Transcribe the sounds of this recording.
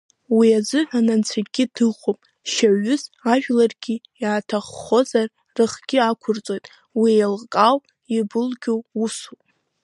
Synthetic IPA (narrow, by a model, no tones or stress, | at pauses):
wiazɨħʷᶣanant͡sʷʰaɡʲɪdɨʁʷopʼ | ʃaɥʊzaʒᶣlarɡʲi | jaːtʰaχːo̞zar | rɨχɡ̥ʲɪakʷʰʊrt͡sʼo̞jtʼ | wijlkʼawʼ | ibɨlɡʲowusup